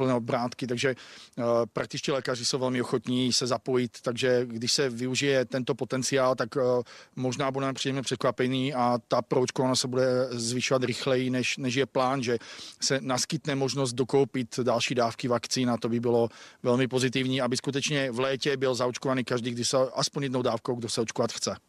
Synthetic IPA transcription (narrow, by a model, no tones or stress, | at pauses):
pl̩nɛobɾaːt̪kɪt̪aɡʒɛ | pɾak̚t̪ɪt͡ʃciːlɛːkarɪsowvɛlmɪoxot̪ɲiːsɛzapo̞jɪt̪ːaɡʒɛɡdɪʃsɛvɪuʒɪjɛt̪ɛnt̪opo̞t̪ɛnt͡sɪaːlt̪akmoʒnaːbudɛmɛmpr̥iːdɛmɲɛpr̥ɛt̪̚kvapɛɲiːat̪apɾoot͡ʃkovanostsɛbudɛzvɪʃovat̪ɾɪxlɛjinɛʃnɛʒjɛplaːnʒɛsɛnaskɪt̪nɛmoʒnozd̪̚d̪oko̞wpɪt̪dalʃiːdaːfkivakt͡siːnat̪obɪbɪlo̞vɛlmɪpo̞zɪt̪ɪvɲiːabɪskut̪ɛt͡ʃɲɛvlɛːcɛbɪlzaot͡ʃkovaniːkaʒdiːɡdɪʃsɛʔaspoɲjɛd̪nowdaːfkowɡdosɛot͡ʃkovat̪xt͡sɛ